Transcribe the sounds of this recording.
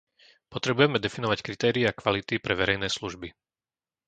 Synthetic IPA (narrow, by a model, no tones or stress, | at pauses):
pɔt̪ɾɛbujɛmɛd̪ɛfinɔʋackɾit̪ɛːɾiakʋalit̪ipɾɛʋɛɾɛjnɛːsluʒbi